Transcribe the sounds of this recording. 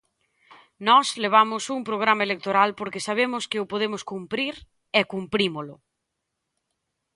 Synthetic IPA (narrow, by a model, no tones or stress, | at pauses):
nɔsleβ̞amʊsuŋpɾoɣ̞ɾamaelek̚t̪oɾalpoɾkɪsaβ̞emʊskɪʊpoðemʊskumpɾiɾ | ɛkumpɾimolʊ